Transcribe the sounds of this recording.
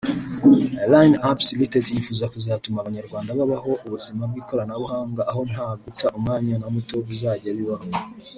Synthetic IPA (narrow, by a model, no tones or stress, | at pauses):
lajnapsilitetjifuːzakuzaːtumaβaɲaɾɡwaːndaβaβaɦo̞ʔuβuzimab̚ɡiːko̞ɾanaβuɦaːŋɡaʔːɦo̞n̥aːɡutʰaʔumŋaːɲanamuto̞βuzaːɟaβiβaho